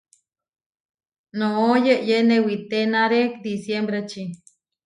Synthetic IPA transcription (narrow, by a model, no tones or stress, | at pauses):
noojeʔjenewit̪enaɾekd̪isjembɾet͡ʃi